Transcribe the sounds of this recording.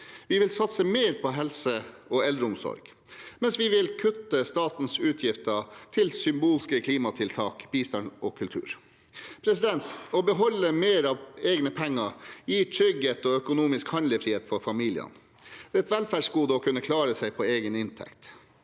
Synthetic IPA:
ʋɪʋɪlsɑt̪səmeːɾpʰɔɦɛlsəɔɛld̪ɾəʊmsɔ̰ɾɡ̥ | mɛnsʋɪʋɪlkʰʉt̪ːəst̪ɑːt̪n̩sʉːt̪ʰjɪft̪ət̪ʰɪlsʏmbuːlskəkʰliːmɑt̪ʰɪlt̪ʰɑːkb̥iːst̪ɑɳɔkʰʉlt̪ʰʉ̰ːɾ | pʰɾɛsɪd̪ɛnt̪ɔbəɦɔlːəmeːɾɑʋeːɡnəpʰɛŋːəjiːʈ̪ʰɾʏɡət̪ɔœkʊnuːmɪskhɑnləfɾiːeːt̪fɔɾfɑmiːlɪ̰ə̰n | d̪̥ɛɛt̪ʋɛlfæɖʂɡuːd̪əɔkʰʉnːəkʰlɑːɾəsæɪpʰɔeːɡənɪnt̪ʰɛ̰kt̪

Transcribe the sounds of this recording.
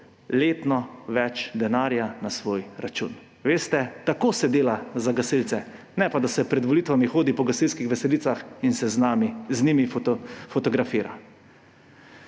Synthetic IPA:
leːt̪nɔʋɛt͡ʃd̪ɛnaːɾjanasʋoːjɾat͡ʃṵn | ʋeːst̪ɛt̪akoːsɛd̪eːlazaɡasilt̪sɛ | nɛpad̪asɛpɾɛd̪ʋɔlit̪ʋamixoːd̪ipɔɡasilskixʋɛsɛliːt̪saxinsɛznamizniːmiffɔt̪ɔɡɾafiːɾa̰

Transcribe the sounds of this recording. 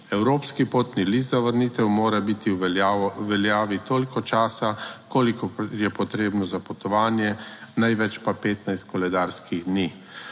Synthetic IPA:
ɛwɾoːpskipoːt̪nilizzaʋəɾniːt̪ɛwmoːɾabit̪iwʋɛljaːʋit̪oːlikɔt͡ʃaːsakoːlikɔjɛpɔt̪ɾeːbnɔzapɔt̪ɔʋaːnjɛnajʋɛt͡ʃpapeːt̪najst̪̚kɔlɛd̪aːɾskiɣd̪niː

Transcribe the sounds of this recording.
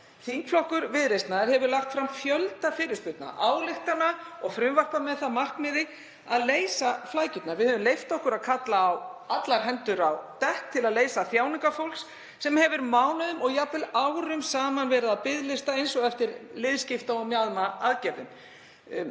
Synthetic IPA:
θiŋkflɔhkʏɾvɪðɾejst̪naðɪɾhɦɛvʏɾlaxt̪fɾamfjœlt̪afɪːɾɪɾspʏt̪na̰ʔaːwlɪht̪anaɔɣfɾʏmvar̥pamɛðθamark̪mɪðɪ | a̰ðleːjsaflaːjcʏt̪navɪðhœvʏmlejft̪ɔhkʏɾaðkʰat̪laːwat̪laɾɦɛnt̪ʏɾawt̪ɛhk̚t̪ʰɪlaðleːjsaθjaːwnɪŋkafowlsː | ɛmhɛvʏɾmaːwnaðʏmɔɣjapɪlawɾʏmsaːmanvɛːɾɪðapɪðlɪst̪aejnsɔɣɛft̪ɪɾlɪðscɪft̪aɔɣmjaðmaaðcɛɾðʏ̰m

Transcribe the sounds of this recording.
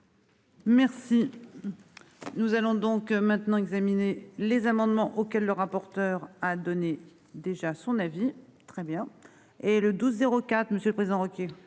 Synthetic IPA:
mɛʁsi | nuzalɔ̃d̪ɔ̃kmɛ̃t̪nɑ̃ɛɡzaminelezamɑ̃d̪mɑ̃ʔokʲɛlːəʁapɔʁt̪œʁad̪ɔne | d̪eʒasɔ̃navit̪χɛbjɛ̃ | eləd̪uzːeʁokat̪χməsjələpχezid̪ɑ̃ʁɔkʲe

